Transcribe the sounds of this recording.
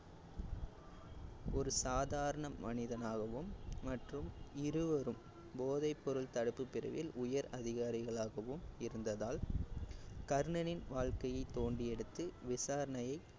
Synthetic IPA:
ɔɾɯsaːðaːɾɐɳɐmːɐnɪðɐnaːɣɐʋɯmːɐʈrɯmɪɾɯʋɐɾɯm | boːðɐɪpːɔɾɯɭt̪ɐɽɯpːɯpːɪrɐ̰ʋɪlʔʊjɐɾɐðɪɣaːɾɪɣɐɭaːɣɐʋɯmɪɾɯnd̪ɐðaːl | kɐɾɯɳɐnɪnʋaːɻkɐjɐɪt̪ːoːɳɖiɛɽɯt̪ːɯʋɪsaːɾɐɳɐjɐɪ

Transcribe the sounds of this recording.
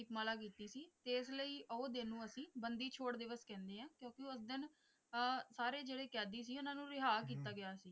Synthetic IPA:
ɪpmaːlaːk̬iːt̪iːsiːt̪eːɪsləiːʔooːd̪enːũːəsĩːbənd̪iːt͡ʃʰoːɽd̪ɪʋəskɛ̃ːnd̪eːɦãːkjõːkɪʊsd̪ɪnː | saːɾeːd͡ʒeːɽeːkɛːd̪iːs̬iːʊnãːnũːɾɪɦaːk̬iːt̪aːɡɪjaːsiː

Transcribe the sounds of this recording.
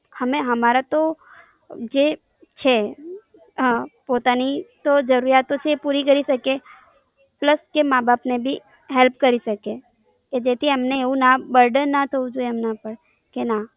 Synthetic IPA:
həmẽɦəmaɾat̪o | d͡ʒe | t͡ʃʰe | pot̪anit̪od͡ʒəɾuɾjat̪ot͡ʃʰepuɾikəɾisəke | pləskemãbapnebʱi | ɦɛlp̚kəɾiʃəke | ked͡ʒet̪ʰiəmneeʋũnabəɾɖənnat̪ʰəũd͡ʒueɦəmnapəɽ | kena

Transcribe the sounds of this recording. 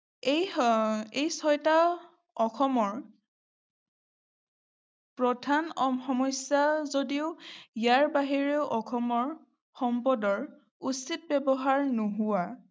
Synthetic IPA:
ej | ejsɔjta | ɔxʰɔmɔɹ | pɹɔdʱanɔmxɔmɔjsazodiʊijaɹbaɦiɹeʊʔɔkʰɔmɔɹ | xɔmpɔdɔɹ | usit̚bɛbɔɦaɹnoɦʊwa

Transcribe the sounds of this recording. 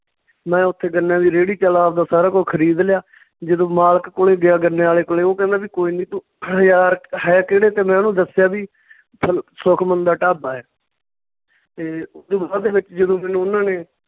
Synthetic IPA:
mɛ̃ːʊt̪ʰːeːɡəɾnjaːʋiːɾeːɽiːt͡ʃəlaːʋd̪aːsaːɾaːkoːkʰəɾiːd̪lɪjaː | d͡ʒəd̪õːmaːlkkʊleːɡɪjaːɡəɾneːaːleːkoleːoːkɛ̃ːnd̪aːbiːkoːiːnĩːt̪ũ | jaːɾɦɛːkeɽeːt̪eːmɛ̃ːnũːd̪əsɪjaːbiː | pʰəlsʊkʰmənd̪aːʈaːbaːɛː | t̪eːd̪õːbaːd̪eːʋɪt͡ʃd͡ʒəd̪õːmɛ̃ːnũːʊnːãːneː

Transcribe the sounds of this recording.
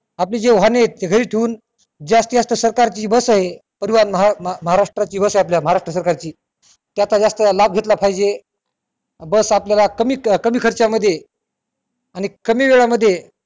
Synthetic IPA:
ap̬liːd͡ʑeʋ̤anet̪eɡʱəɾiːʈʰeuːn | d͡ʑast̪əjast̪əsəɾkaɾt͡ɕiːbəsaɦe | pəɾiʋanməɦaməɦaɾaʂʈɾat͡ɕiːbəsaɦeapljaməɦaɾaʂʈɾəs̬əɾkaɾt͡ɕiː | t̪jat̪ad͡zast̪əlab̚ɡʱet̪lapʰajd͡ʑe | bəsapljalakəmiːkəmiːkʰəɾt͡ɕjaməd̪ʱːje | añikəmiːʋeɭaməd̪ʱːje

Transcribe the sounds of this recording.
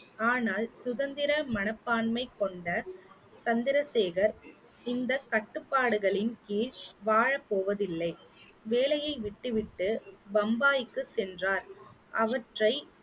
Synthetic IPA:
aːnaːlsʊðɐnd̪ɪɾɐmɐnɐpːaːɳmɐɪkːɔɳɖɐ | sɐnd̪ɪɾɐseːɣɐɾ | ɪnd̪ɐkɐʈːɯpːaːɽɯɣɐɭɪnkiːʂʋaːɻɐpːoːʋɐðɪlːɐɪʋeːlɐjɐɪʋɪʈːɯʋɪʈːɯʋɐmbaːjɪkːɯsɛndraːɾʔɐʋɐʈrɐɪ

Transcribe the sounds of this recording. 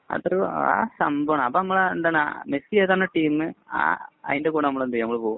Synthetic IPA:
ɐ̰t̪ːrɐka̰ːsɐmbɐʋɳɐmɐpːoːnɐmːɐɭeɳɖɐna̰mesieːðaːnːɐʈiːmɨa̰ːɐ̰ðindekuːɽɐnɐmːɐɭend̪ijɐmːɐɭpoːṵ

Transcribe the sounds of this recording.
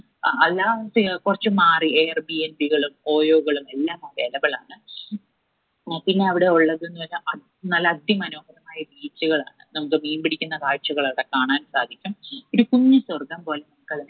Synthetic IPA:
ɐlːaːsikurɐt͡ɕːɨmaːrieːrbiend̪iɣɐɭumo̞ːjoːɣɐɭume̞lːaːmaːdɐlɐbɐɭaːɳɨ | pinːe̞ɐʋiɽe̞uɭːɐðenːuʋɐlːɐʔɐ | nɐlɐːd̪ʱjɐmɐnoːɦɐðɐmaːjɐbiːt͡ɕːuɣɐɭa̰ːɳɨnɐmukːɨmejnbiɽikʲːunːɐkaːɻt͡ɕːuɣɐɭɐʋiɽe̞kaːɳaːnsaːd̪ʱikʲːumo̞ɾukuɲːɨswɐrɡɐmpo̞ːlenɐmukːɐɭ

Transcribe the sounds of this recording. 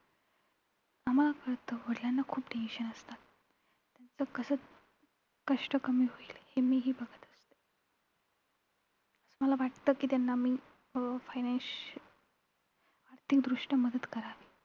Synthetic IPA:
amalakəɾt̪əʋəɽljanːakʰuːpɖiiɕənəst̪at̪ː | jat͡səkəsət͡s | kəʂʈəkəmiːɦoiːlhemiːɦiːbəɡʱət̪əst̪e̥ | əsəməlaʋaʈt̪əkiːt̪janːamiː | fajnans | aɾt̪ʰikd̪ɾuʂʈəməd̪ət̪kəɾaʋi

